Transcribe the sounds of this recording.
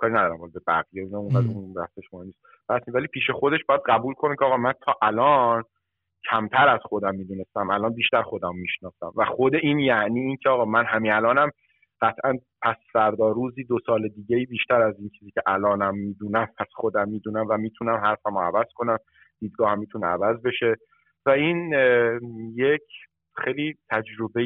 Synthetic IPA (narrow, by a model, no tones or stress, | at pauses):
kʰɒːɾinæd̪ɒːɾæmbɒlbebæ̰ɣijeuːnæmumæd̪unbæ̰hseʃomɒniːs | bæsinvæliːpʰiːʃe̞xo̞d̪e̞ʃbɒːjæd̪ɢæbuːlkʰo̞necʰeɒːɣɒːmænt̪ʰɒːʔælɒːn | cʰæmt̪ʰæɾæz̥xo̞d̪æmːiːd̪uːnest̪æmælɒːnbiːʃt̪æɾxo̞d̪æmːiːʃnɒːsæmvæxo̞d̪e̞ʔiːnjæʔniːiːncʰeɒːɣɒːmænɦæmiælɒːnæm | ɢ̥æt̪ʰʔænpʰæsfæɾd̪ɒːɾuːziːd̪osɒːled̪iːɟeiːbiːʃt̪æɾæziːnt͡ʃʰiːziːcʰeʔælɒːnæmːiːd̪uːnæmpʰæsxod̪æmːiːd̪uːnæmvæmiːt̪ʰunæmhæɾfæmoæ̰væz̥kʰo̞næm | d̪̥iːd̪̚ɡɒːhæmːiːt̪ʰunḛæ̰væzbe̞ʃe̞ | væiːn | jecʰ | xejliːt̪ʰæd͡ʒɾo̞be